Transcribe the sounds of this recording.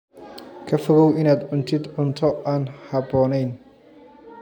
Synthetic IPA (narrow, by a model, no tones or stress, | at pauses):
kʰɐfɔɣɔwɪnaːd̪ʕʊnt̪ʰɪd̪ʕʊnt̪ʰɔaːnhɑbɔːnɛjn